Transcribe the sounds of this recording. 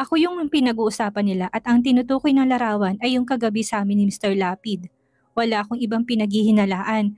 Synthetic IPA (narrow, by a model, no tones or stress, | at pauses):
ʔɐko̞jʊŋpɪnɐɡuːʔʊsaːpɐnːɪlaʔɐt̪ɐŋt̪ɪnʊt̪uːkojnɐŋlɐɾaːwɐnɐjːʊŋkɐɡɐbisɐʔaːmɪnɪmɪst̪ɛɹlaːpɪd̪̚ | wɐlaːʔɐkoŋʔɪbaŋpɪnɐɡ̚hɪhɪnɐlaːʔɐn